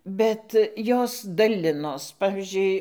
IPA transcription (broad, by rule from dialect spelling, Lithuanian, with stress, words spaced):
ˈbʲɛt ˈjoːs dɐˈlʲɪnoːs ˈpɑːʋʲɪzʲd͡ʒʲʊɪ